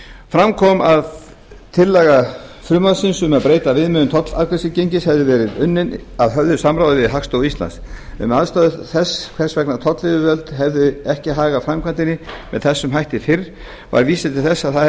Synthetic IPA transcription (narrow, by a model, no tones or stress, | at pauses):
fɾamkʰɔmað | t̪ʰɪlːɛɣa | fɾʏmasɪnsʏmaðpɾeːjt̪avɪðmʏʏnt̪ʰɔt̪la̰ɾkʰvɛsɪcejɲcɪshɛvðʏvɛːɾɪðʏnːɪnaðɦœvðʏsamɾaːwðɪvɪðɦakst̪owist̪la̰nsɛ̰maðst̪aːðʏθɛsːkʰvɛr̥svɛknat̪ʰɔt̪lɪðʏvœlt̪ɦɛvðʏɛhcɪɦaːɣafɾamkʰvant̪ɪnːɪmɛðθɛsːʏmɦajht̪ɪfɪɾ | va̰ɾviːsɪt̪ʰɪlθɛsːaðθað